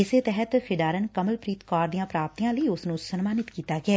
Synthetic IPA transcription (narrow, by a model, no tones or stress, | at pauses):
ɪseːt̪ɛɦət̪pʰɪɖaːɾənkəməlpɾiːt̪kɔːɾd̪ijãːpɾaːp̚t̪ijãːləiːʊsnũːsənmaːnɪt̪kiːt̪aːɡɪɛː